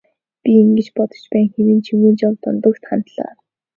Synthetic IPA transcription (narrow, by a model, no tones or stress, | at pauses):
pʲiiŋɡɘ̆t͡ɕpɔt̪ɞ̥̆t͡ɕpæːŋxeɾɘ̆nt͡ɕʰiwuːnt͡ɕawt̪ʊ̰nt̪ɞ̆kt̪χant̪ɮa̰ː